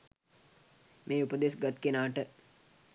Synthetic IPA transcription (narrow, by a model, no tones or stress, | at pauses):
meːupəd̪esɡat̪kenaːʈə